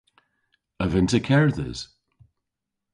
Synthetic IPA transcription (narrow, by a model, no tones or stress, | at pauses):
əvɪ̃ntəkʰɛɹðə̰z̥